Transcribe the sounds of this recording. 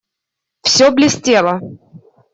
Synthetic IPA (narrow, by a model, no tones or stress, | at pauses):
fsʲoblʲɪsʲtʲelˠə